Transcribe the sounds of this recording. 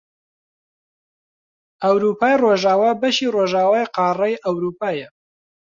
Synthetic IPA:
ɐwɾuːpʰaːjroːʒaːwaːbɐʃiːroːʒaːwaːjqɑːrɐjʔɐwɾuːpʰaːjɐ

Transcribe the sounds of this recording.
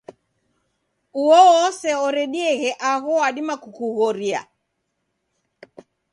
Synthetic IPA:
uɔːsɛɔɾɛɗiɛɣɛʔaɣɔwaɗimakukuɣɔɾia̰

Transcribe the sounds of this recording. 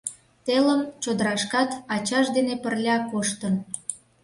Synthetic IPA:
t̪eləmt͡ɕod̪əɾɑʃkɑt̪ɑt͡ɕɑʃd̪enepərlʲɑkoʃt̪ən

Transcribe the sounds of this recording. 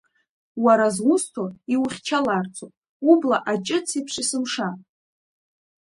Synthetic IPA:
waɾazwʷʊstʰoiwχʲt͡ʃʰalart͡sʰopʼ | ublaʔat͡ʃʼɪt͡sʰipʰʂisɨmʂa

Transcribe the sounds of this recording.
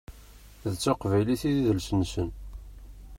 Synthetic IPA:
ðt͡sːɑqvæjliθiðiðəlsənsən

